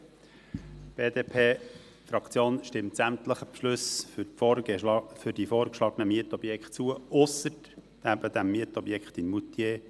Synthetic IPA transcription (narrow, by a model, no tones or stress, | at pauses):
b̥eːd̪eːpʰeː | fɾɑkt͡sjoːnʃtɪmtsæmt̪ləχəpʃlɵs | fʏɾdifoːɾkʃlɑːɡənəmiətɔbjɛkχt̚t͡suəʊsəɾ | d̥æbəd̪æmːiətɔbjɛkχt̪ɪnmut̪jeː